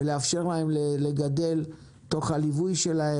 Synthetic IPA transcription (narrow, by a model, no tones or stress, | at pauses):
leafʃe̞ʁlae̞mleleɡad̪e̞l | t̪o̞χhalivujʃe̞lae